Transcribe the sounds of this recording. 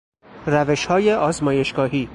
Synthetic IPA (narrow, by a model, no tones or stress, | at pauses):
ræveʃhɒːjeʔɒːzmɒːje̞ʃɡ̥ɒːɦiː